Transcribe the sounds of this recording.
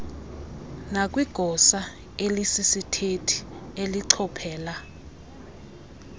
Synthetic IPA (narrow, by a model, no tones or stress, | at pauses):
nak̬ʼwiɡ̥ʱɔsa | elisisitʰetʰi̥eliǀʰɔpʰɛːla